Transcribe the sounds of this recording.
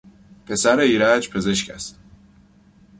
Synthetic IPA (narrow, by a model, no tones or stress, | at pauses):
pʰe̞sæɾeiːɾæd͡ʒpʰe̞ze̞ʃcʰæ̰st̪